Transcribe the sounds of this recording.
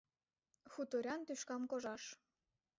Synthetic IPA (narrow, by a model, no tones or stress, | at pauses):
xut̪oɾʲɑnt̪yʃkɑmkoʒɑʃ